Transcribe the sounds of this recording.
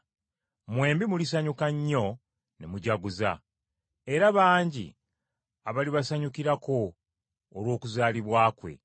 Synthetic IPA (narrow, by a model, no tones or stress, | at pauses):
mwe̞ːmbimulis̬aɲukaɲːo̞ | nemuɟaɡuza̰ | e̞ɾaβaːɲɟḭ | aβaliβasaɲukiɾako̞ː | lwo̞ːkuzaːliβwaːkwe̞̰